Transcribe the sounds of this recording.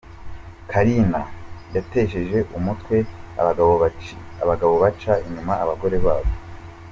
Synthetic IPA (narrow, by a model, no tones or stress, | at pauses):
kʰaɾinajate̞ʃe̞ʒe̞ʔumutwe̞a̰a | aβaɡaβo̞βat͡ʃaiɲumaːβaɡo̞ɾe̞βaːβo